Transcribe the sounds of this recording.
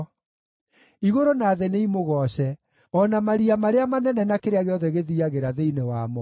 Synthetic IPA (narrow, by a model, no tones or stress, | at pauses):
iɣoɾonaːðɛneimoɣɔɕɛ | ɔnamaɾiamaɾeamanɛnɛnakeɾeaɣeɔðɛɣeðiaɣeɾaðeinewaːmɔ